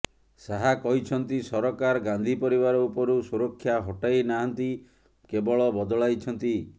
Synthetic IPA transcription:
saɦakɔɦit͡ʃʰɔnt̪isɔɾɔkaɾɡand̪ʱipɔɾiβaɾɔupɔɾusuɾɔkʰːjaɦɔʈajnaɦant̪i | kebɔɭɔbɔd̪ɔɭajt͡ʃʰɔnt̪i

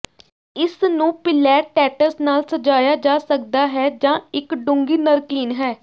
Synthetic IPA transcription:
ɪsnũːpɪlɛːʈɛːʈəɾsnaːlsəd͡ʒaːjaːd͡ʒaːsəkd̪aːɦɛːd͡ʒãːɪkɖʊ̃ŋɡiːnəɾkliːnɦɛː

